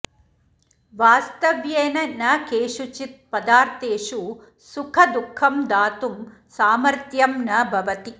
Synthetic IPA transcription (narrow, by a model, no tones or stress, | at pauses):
ʋaːst̪ɐʋjeːnɐnɐkeːʂut͡ʃit̪̚pɐd̪aːɾt̪eːʂu | sukʰɐd̪ukʰːɐmd̪aːt̪um | saːmɐɾt̪jɐmnɐbʱɐʋɐt̪i